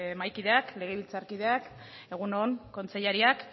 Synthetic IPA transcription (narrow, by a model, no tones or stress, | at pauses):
majkiðe̞akle̞ɣ̞eβilt͡saɾkiðe̞ak | e̞ɣ̞unoŋko̞nt͡seʎaɾiak